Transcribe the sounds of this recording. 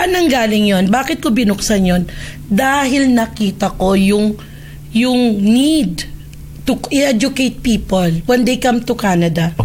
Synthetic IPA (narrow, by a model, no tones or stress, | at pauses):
ʔɐnɐŋɡaːlɪŋjo̞nbaːkɪt̪̚kobɪnʊksɐnjo̞n | d̪aːɦɪlnɐkiːt̪ɐko̞jʊŋ | jʊŋnid̪ | t̪ʊʔɪʔɛd͡ʒʊkejt̪̚piːpolwɛnd̪ejkɐmt̪ʊkaːnɐd̪ɐ